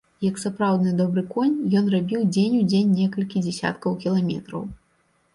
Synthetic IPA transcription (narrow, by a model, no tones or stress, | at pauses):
jɐksapɾawd̪nɨd̪ɔbɾɨkɔnʲjɔnrabʲiwd͡zʲenʲud͡zʲenʲːɛkɐlʲkʲid͡zʲɛsʲa̰t̪kɐwkʲilˠamʲɛ̰t̪ɾɐ̰w